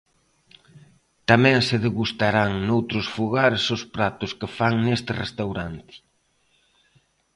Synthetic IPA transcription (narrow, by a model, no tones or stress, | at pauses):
t̪amɛ̃ŋsɪðeɣust̪aɾaŋnowt̪ɾʊsfuɣaɾsʊspɾat̪ʊskɪfaŋnest̪ɪrḛst̪awɾant̪ɪ̥